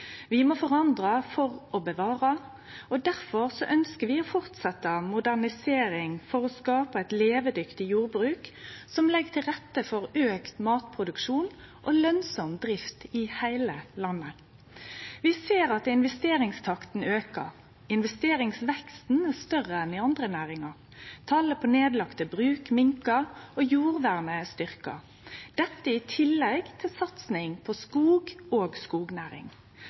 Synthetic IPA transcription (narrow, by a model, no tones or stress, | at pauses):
ʋɪmɔfɔʁɑnd̪ʁɑfɔʁɔbəʋɑːʁɑ | ɔd̪æʁfɔʁsɔʔœnskəʋɪɔfɔʁt̪sɛt̪ːəmʊd̪æʁnɪseːɾɪŋfɔʁɔskɑːpɑɛɪt̪leːʋəd̪ʏkt̪ɪjuːɾbɾʉːksɔmlɛɡət̪ʰɪlʁɛt̪ːəfɔʁøːkt̪mɑːt̪pʰʁʊd̪ʉkʃuːn | ʔɔlœnsɔmd̪ʁɪft̪ɪhæɪləlɑnːə | ʋɪseːɾɑt̪ɪnʋɛst̪eːɾɪŋst̪ʰɑkt̪n̩øːkə̰ʁ | ɪnʋɛst̪eːɾɪŋsʋɛkst̪n̩æst̪œʁəɛnɪɑnd̪ʁənæːʁɪŋɑ | t̪ʰɑːləpʰɔneːd̪lɑkt̪əbʁʉːkmɪŋkəojuːʁʋæʁnəst̪ʏʁkɑ̰ | d̪̥ɛt̪ːəɪt̪ʰɪlːɛɡt̪ʰɪlsɑt̪snɪŋpʰɔskuːɡoːɡskuːɡnæːɾɪ̰ŋ